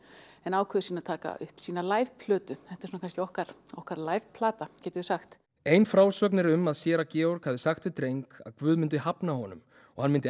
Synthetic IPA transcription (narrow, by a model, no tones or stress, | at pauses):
ɛnaːwkʰvɛðɪsiːnat̪ʰaːka̰ʏ̰hpsiːnalaːjv̥pʰlœːt̪ʏθɛht̪aɪɾsunakʰanscɛɔhkaɾ̥ɔhkaɾlaːjv̥pʰlaːt̪acɛːt̪ʏɪsaxt̪ | ejnfɾaːwsœːk̬nɪɾʏmaðsjɛːɾacɛːɔɾkʰaːðɪsaxt̪ʏt̪ɾejŋka̰ðkvʏːðmɪnt̪̬ʏɦapnahɔnʏ̰m | ɔ̰ɣhanmɪnt̪ɪ